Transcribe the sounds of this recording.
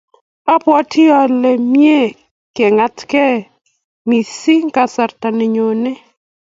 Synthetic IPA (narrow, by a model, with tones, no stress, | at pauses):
a˦pwɔ˦tʰɪ˦ɔ˨le˨mje˦ | ke˨ŋa˨tkɛ˦ | mi˨si˦ŋka˨sa˨ɾta˨ne˨ɲo˨ne˦